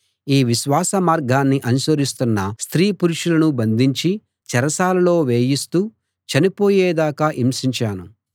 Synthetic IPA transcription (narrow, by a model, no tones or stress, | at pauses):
iːʋiʃʋaːsɐmaːɾɡʱaːnːiʔɐnuʃɐɾist̪unːɐst̪ɾiːpuɾuʂulɐnubɐnd̪ʱiɲt͡ʃi | t͡ʃɛɾɐsaːlɐlo̞ːʋeːjist̪uː | t͡ʃɐnipo̞ːjeːd̪aːkaːʔimsiɲt͡ʃaːnu